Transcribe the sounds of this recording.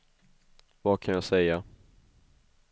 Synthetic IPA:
vakʰanjasɛja

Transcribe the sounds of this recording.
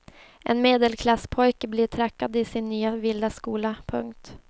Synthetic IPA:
ʔɛ̰nmeːd̪əlkʰlasːpʰɔjkəblɪʈʰɾɛkːad̪ɪsɪnːyːavɪld̪askuːlapʰɵ̰ŋkt̪

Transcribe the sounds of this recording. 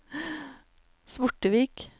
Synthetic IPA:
smʊʈəʋiːk

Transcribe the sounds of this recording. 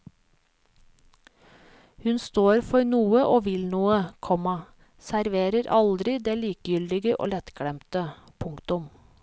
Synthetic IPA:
hʉnst̪oːɾfɔɾnuːəʔoːʋɪlnuːəkʰɔmɑ | sæɾʋeːɾəɾʔɑld̪ɾɪd̪eːliːkəjʏld̪ɪɡəʔo̰ːlɛt̪kɽɛmt̪əpʰʊŋkt̪ʊm

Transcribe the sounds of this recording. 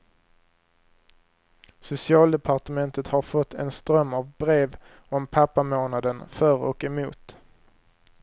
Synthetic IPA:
sʊsɪɑːld̪ɛpʰaʈəmɛnt̪ət̪haɾfɔt̪ʰːɛ̰nst̪ɾœmːavbɾeːv | ɔmpʰapːamoːnad̪ənfœɾɔ̰kɛmṵːt̪

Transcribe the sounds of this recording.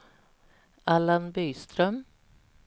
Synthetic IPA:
alanbyːst̪ɾœm

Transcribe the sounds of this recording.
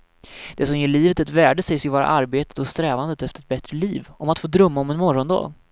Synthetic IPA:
d̪̥ɛsɔmjeːɭiːvət̪ɛt̪væːɖəsɛjsjəvɑːɾa̰ʔaɾbeːt̪ə̥t̪ɔst̪ɾɛːvand̪ət̪ɛft̪əɾɛt̪bɛt̪ɾəliːvʔɔmat̪foːd̪ɾɵmːaɔmɛnmɔɾɔnd̪ɑ̰ːɡ

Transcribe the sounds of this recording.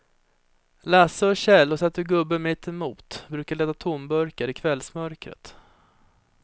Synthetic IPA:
lasəɔɕɛlːɔsɛt̪ːəɾɡɵbːəmɪt̪ʰːɪmuːt̪bɾʉ̟ːkaɭeːd̪at̪ʰʊmbœɾkaɾɪkʰvɛlsmœɾkɾə̰t̪

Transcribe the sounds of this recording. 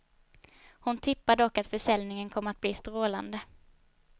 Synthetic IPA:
hʊnt̪ʰɪpːad̪ɔkːat̪fœʂɛlnɪŋənkʰɔmːəat̪̚bliːst̪ɾoːla̰nd̪ə

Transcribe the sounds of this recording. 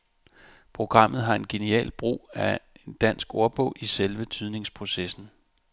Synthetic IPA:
pʰʁo̝ɡ̥ʁɑ̈m̰ð̞̩ˠɦɑ̈e̝nɡ̥e̝niɛ̰ːlb̥ʁṵːæend̥æn̰sɡ̥o̝ɐb̥ɔ̽ʔiselʋət͡sʰyð̞ˠne̝ŋspʰʁo̝sesn̩

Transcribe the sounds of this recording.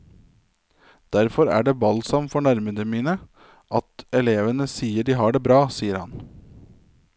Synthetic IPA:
d̪̥æɾfɔɾæ̰ːɖeːʋɑlsɑmfɔɳæɾməd̪əmiːnə | ʔɑt̪ɛleːʋənəsiːəɖiːɦɑːɖeːbɾɑːsiːəɾhɑ̰n

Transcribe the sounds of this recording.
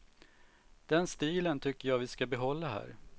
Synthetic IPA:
d̪̥ɛnst̪iːlənt̪ʰʏkːəjɑːvɪskabɛɦɔlːaɦæ̰ːɾ

